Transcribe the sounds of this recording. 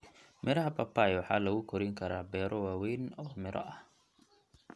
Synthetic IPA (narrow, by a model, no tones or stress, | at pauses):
mɪɾɐɦɐpʰɐpʰaːjwɑħɑːlɐɣʊkʰɔɾɪŋkʰɐɾaːbɛːɾʔɔwaːwɛjnɔːmɪɾʔɐ̰ʔɐ